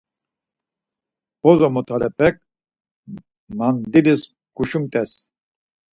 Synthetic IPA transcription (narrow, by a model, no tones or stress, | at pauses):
bɔzɔmut̪ʰalɛpɛk̚ | nand̪ilis | ɡ̥uʃumt̪ɛs